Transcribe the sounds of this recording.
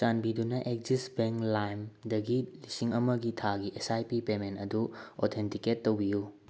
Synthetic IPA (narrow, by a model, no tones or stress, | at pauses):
t͡ʃanbidunɐʔek̚zisbeŋklajmdɐɡilisiŋɐmɐɡitʰaɡiʔesajpipementɐduot̪ʰentiketːowbiju